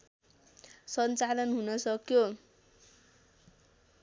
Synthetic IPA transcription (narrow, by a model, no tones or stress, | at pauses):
sʌnt͡salʌnɦunʌsʌkjo